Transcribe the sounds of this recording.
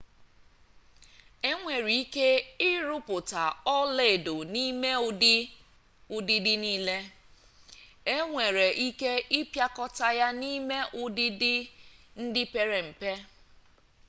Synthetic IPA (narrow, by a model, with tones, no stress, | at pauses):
e˦ŋʷe˨ɾi˨i˦ke˦ɪ˦ɾʊ˦pʊ˨ta˨ɔ˦le˦˨do˨ni˦me˦ | ʊ˦dɪ˦dɪ˦niː˦le˦ | e˦ŋʷe˨ɾe˨ʔi˦ke˦ɪ˦pja˦kɔ˦ta˦ja˦ni˦me˦ʔʊ˦dɪ˦dɪ˦n̩˦dɪ˦pe˦ɾe˨m̩˨pe˦